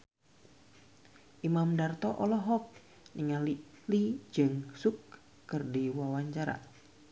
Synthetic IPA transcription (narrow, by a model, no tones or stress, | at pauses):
ʔimamdart̪ɔʔɔlɔɦɔk̚ | niŋalilid͡ʒɨŋsukː | ərdiwawaɲt͡ʃaɾa̰